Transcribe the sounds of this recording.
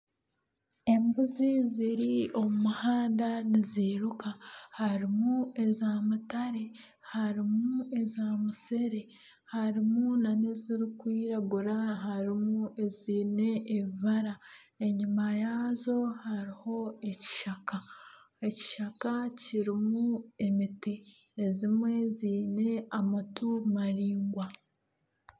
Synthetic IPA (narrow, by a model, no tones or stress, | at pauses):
e̞mbuziziɾio̞mumuhaːndaniziɾukahaɾimue̞zamutaɾe̞ | haɾimue̞zamuse̞ɾe̞ | haɾimunaneziɾikwiːɾaɡuɾaɦaɾimuuʔeziːne̞ʔːβiβaɾa | e̞ɲimajaːzo̞haɾiho̞e̞ci̥ʃaka | e̞ci̥ʃakaciɾimue̞miteː | zimwe̞ziːne̞amatumaɾiːŋɡwa